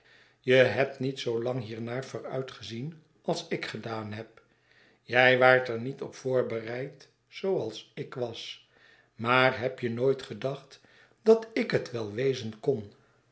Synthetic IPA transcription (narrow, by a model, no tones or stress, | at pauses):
jəɦɛp̚tnitsowlɑŋɦiːɹnaːɹvʊːɹœɥtχəzin | ɑlˠsɪkχədaːnɦɛp̚ | jɛjʋaːɹtɛɹnitɔ̰pfʊːɹbərɛjt | sowɑlˠsɪkʋɑs | maːrɦɛpjənoːjtχədɑχt | d̥ɑtɪkɦətʋɛlˠʋejzənkɔn